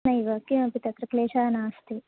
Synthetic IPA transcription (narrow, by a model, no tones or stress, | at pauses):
nɐiʋɐkːimɐpit̪ɐt̪ɾɐkleːʃaːnaːst̪i